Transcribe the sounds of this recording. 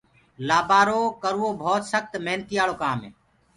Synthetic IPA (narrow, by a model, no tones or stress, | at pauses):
laːbaːɾoːkəɾuːoːbʱoːt̪səxt̪meɦnət̪iːjaːloːkaːmeː